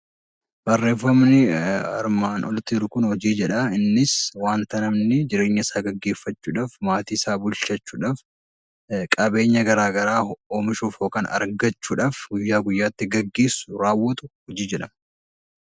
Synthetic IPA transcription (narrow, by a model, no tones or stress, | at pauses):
b̥ɐrːeːfɐmnɪɐ̰ɾmaːnɔlt̪iːɾʊkʊnhɔd͡ʒiːd͡ʒɛᶑɐɪnːɪswaːnt̪ɐnɐmnɪd͡ʒɪɾe̞ːɲːɐɪsaːɡɐɡːe̞ːfːɐt͡ʃːuːᶑaːfmaːt̪iːɪsaːbʊlt͡ʃɐt͡ʃːuːᶑaːf | kʼɐbe̞ːɲːɐɡɐɾaːɡɐɾaːoːmɪʃuːfoːkaːnɐ̰ɾɡɐt͡ʃːuːᶑaːfɡʊjːaːɡʊjːaːt̪ːɪɡɐɡːe̞ːsːʊɾaːwːɐt̪ʊhɔd͡ʒiːd͡ʒɛᶑɐmɐ